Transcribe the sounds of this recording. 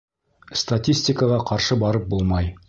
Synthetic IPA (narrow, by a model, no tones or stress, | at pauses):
st̪atʲisʲtʲɪkəʁɑqɑɾʃɤbɑɾɤp̚bulˠmɑj